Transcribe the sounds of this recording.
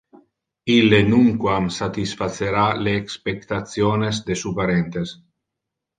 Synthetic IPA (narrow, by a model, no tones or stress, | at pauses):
ilːenuŋkwamsat̪isfat̪seɾaleːkspekt̪at̪sjoːnezd̪esupaɾent̪es